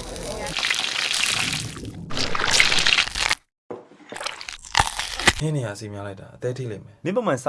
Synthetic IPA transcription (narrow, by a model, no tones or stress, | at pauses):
n̥ɪ̰̃nejasimjalaɪtːaʔət̪ɛtʰḭlḛ̃mɛnɪ̰̃põmãsa